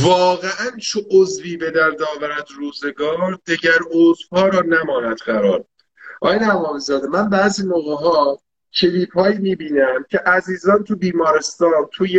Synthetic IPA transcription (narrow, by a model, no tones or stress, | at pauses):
vɒːɣeʔænt͡ʃʰoʔozviːbe̞d̪æɾd̪ɒːvæɾæd̪ɾuːze̞ɡɒːɾd̪̥e̞ɟæɾozvhɒːɾɒːnæmɒːnæd̪ɢæɾɒːɾ | ʔɒ̰ːjenæmɒːmizɒːd̪emænbæːziːnoɣeɦɒː | cʰeliːphɒːjiːmiːbiːnæmcʰe̞ʔæziːzɒːnt̪ʰubiːmɒːɾest̪ɒːnt̪ʰuje